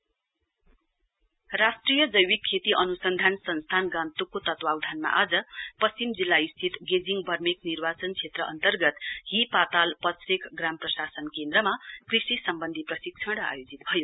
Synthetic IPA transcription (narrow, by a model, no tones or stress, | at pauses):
rasʈrijʌd͡zʌjwikʰːet̪iʔʌnusʌnd̪ʱansʌnst̪ʰanɡãnt̪ukːot̪ʌt̪wawd̪ʱanma̰ʔad͡zʌpʌst͡ɕimd͡zilːaist̪ʰit̪ɡed͡ziŋɡbʱʌrmeknirbat͡sʌnt͡sʰet̪rʌʔʌ̰nt̪ʌrɡʌt̪ɦipat̪alpʌsrekɡramprʌsasʌnkend̪ɾʌmakrisisʌmbʌnd̪ʱiprʌsik̚t͡sʰʌɽa̰jod͡zit̪̚bʱʌjo